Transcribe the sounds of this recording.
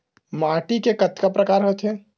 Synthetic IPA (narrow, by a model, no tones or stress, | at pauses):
maːʈikekət̪kapɾəkaːɾɦoːt̪ɦɛː